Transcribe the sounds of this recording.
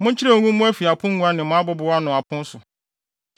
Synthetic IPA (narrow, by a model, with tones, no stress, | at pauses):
mʊ̃˦ɲ̩˦t͡ɕʰɪ˦ɾa˦˨ŋũ˦mʊ̃˦æ˦fi˨a˨pʰʊ̃˦ŋ˦ŋũ˦a˦nɪ̃˨mʊ̃˨˦a˦bɔ˦bʊ˨˦a˦nʊ̃˨a˨pʰʊ̃˦n̩˦sʊ˨